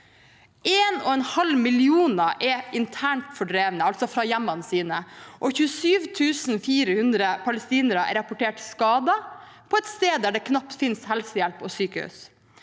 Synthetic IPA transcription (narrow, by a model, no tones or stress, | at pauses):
eːnɔ̰ːɛnhɑlmɪlɪuːnəʔɛɪnt̪ʰæːɳʈfɔɖɾeːʋnəɑlt̪sɔfɾɑːjæmːɑnsiːnəʔɔçʉːəsyːʋt̪ʰʉːsn̩fiːɾəhʉnd̪ɾəpʰɑləst̪iːnəɾəɛ̰ɾɑpɔʈeːʈskɑːd̪ɑ | pʰɔːɛt̪st̪eːd̪d̪æːɖɛkʰnɑpt̪fɪnshɛlsəjælpɔːsyːkəhʉ̰s